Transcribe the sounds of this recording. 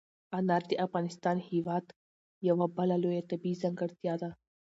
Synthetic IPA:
anaːɾt̪iʔɐfɣaːnɪst̪aːnhiʋaːt̪ | jɐʋabɐlalojat̪ɐbiːzɐ̃ŋɡɐɾt̪ijaːd̪a

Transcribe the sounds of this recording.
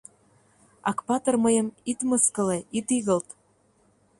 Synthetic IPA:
ɑ̰kpɑt̪ɤ̆rməjə̆mit̪məskə̆leit̪iɣə̆lt̪

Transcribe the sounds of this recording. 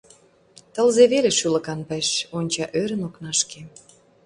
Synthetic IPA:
t̪ə̆lzeβeleʃylə̆kɑnpə̆ʃonʲt͡ɕɑʔøɾə̆noknɑʃke

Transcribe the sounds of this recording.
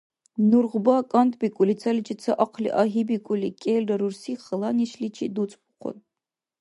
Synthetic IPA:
nurʁbaːkʼant̪ʰʼbikʷʼʊlit͡sʰɐlit͡ʃʰʼit͡sʰɐʔaqʰlḭʔaɦibikʷʼʊlikʼɛlrɐɾursiχəlˠaniʃlit͡ʃʰḭd̪ut͡sʼpʰʼʊqʰʷʊ̰n

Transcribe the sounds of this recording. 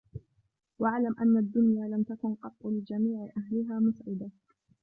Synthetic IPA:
waʕlamʔanːad̪ːʊnjaːlamt̪akʊnqɑt̪ˤːʊlɪd͡ʒamiːʕɪʔahlɪɦaːmʊsʕɪd̪a

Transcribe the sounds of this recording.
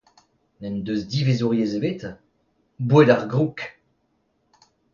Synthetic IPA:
nɛnd̪øzd̪ivezuʁjezebet̪ | bwedaʁɡʁuk

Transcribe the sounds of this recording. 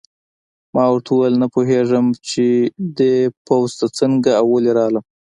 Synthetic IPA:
mɑwɾʈ̪ʰuwalnapoɦeʐəmt͡ʃed̪epowzt̪at͡səŋɡaawːəleɾɑləm

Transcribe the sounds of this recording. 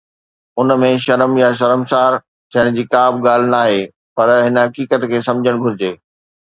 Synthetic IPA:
ʊnmẽʃɐɾəmjaʃ̬ɐɾəmsaːɾ | t͡ɕɐɪɽ̃d͡ʑiːkaːbɡaːl̤ɪnaːɦeː | pɐɾɦɪnɦɐkiːkət̪kʰeːsɐ̃md͡ʑʱəɽ̃ɡʱʊɾɪd͡ʑeː

